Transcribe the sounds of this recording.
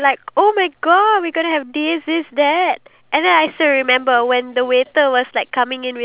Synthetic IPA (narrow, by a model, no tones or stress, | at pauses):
laɪkomaɪɡɔdwiɡonəɦɛvdisɪsd̪ɛt̚ | ʔɛ̃ndɛ̃naɪstəɹimɛ̃mbəwɛ̃ndəwetəwɔslaɪkʰːamɪ̃ŋɪ̃nwɪ